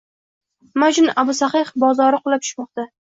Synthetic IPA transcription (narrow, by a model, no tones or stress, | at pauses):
mad͡ʒnʔabʊsaqɨχbɒzɒɾɪqʰʊlˠap̚t̪ʰʊ̥ʃmɒq̚t̪a